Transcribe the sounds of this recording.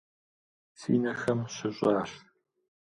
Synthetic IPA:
sḭːnɐxɐmɕɪɕʷʼɑːɕ

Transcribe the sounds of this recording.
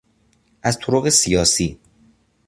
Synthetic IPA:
ʔæzt̪ʰoɾoɣe̞sijɒːsiː

